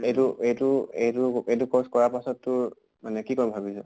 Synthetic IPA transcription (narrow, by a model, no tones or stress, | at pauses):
etuejtuejtuejt̬ukɔskɔɹapasɔtːʊɹ | manɛkikɔɹbʱabisɛ